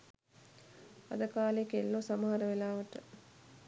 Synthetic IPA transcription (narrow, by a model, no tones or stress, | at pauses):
a̰d̪əkaːlekelːoːsaməɦaɾəʋelaːʋəʈə